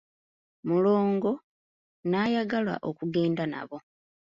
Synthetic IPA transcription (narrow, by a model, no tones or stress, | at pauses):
mulo̞ːŋɡo̞ | naːjaɡala̰ʔo̞kuɡe̞ːndana̰βo̞